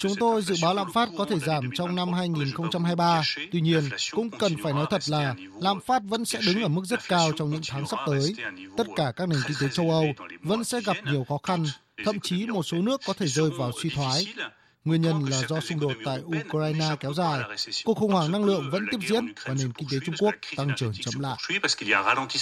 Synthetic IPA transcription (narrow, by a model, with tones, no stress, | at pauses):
t͡ɕʊ˨˦ŋ͡mt̪o˧jzɨ̰˧˨ɓaː˨˦wla̰ː˧˨mfaː˦˥t̚kɔ˨˦t̪ʰe˧˩zaː˧˩mt͡ɕɔ˧wŋ͡mna˧mɦaː˧jŋi˨˩nxə˧wŋ͡mt͡ɕa˧mhaː˧jɓaː˧t̪wi˧ɲi˧ənkʊ̰˧˥ŋ͡mkə˨˩nfaː˧˩jnɔ˨˦jt̪ʰə˨˩t̚laː˨˩ | la̰ː˧˨mfaː˦˥t̚və̰˧˥nsɛ̰˧˥ɗɨ˨˦ŋʔəː˧˩mɨ˦˥k̚zə˦˥t̚kaː˧wt͡ɕɔ˧wŋ͡mɲɨ̰˧˥ŋt̪ʰaː˨˦ŋsa˦˥p̚t̪əː˨˦jt̪ə˦˥t̚kaː˧˩kaː˦˥k̚ne˨˩nki˧nt̪e˨˦t͡ɕə˧wʔə˧wvə̰˧˥nsɛ̰˧˥ɣa˨˩p̚ɲi˨˩əwxɔ˨˦xa˧n | t̪ʰə̰˧˨mt͡ɕi˨˦mo˨˩t̚so˨˦nɨ˦˥əkːɔ˨˦t̪ʰe˧˩zəː˧jvaː˨˩wswi˧t̪ʰwaː˨˦j | ŋwi˧ənɲə˧nlaː˨˩zɔ˧sʊ˧ŋ͡mɗo˨˩t̚t̪a̰ː˧˨jʔu˧kaː˧jnaː˧kɛ˨˦wzaː˨˩jku˨˩ək̚xə˨˩ŋ͡mhwaː˧˩ŋna˧ŋlɨ̰˧˨əŋvə̰˧˥nt̪i˦˥əp̚zḭ˧˥ənvaː˨˩ne˨˩nki˧nt̪e˨˦t͡ɕʊ˧ŋ͡mku˦˥ək̚t̪a˧ŋt͡ɕəː˧˩nt͡ɕə̰˧˥mla̰ː˧˨ski˧lia˧ʁa˧lɑ̃˧t̪i˧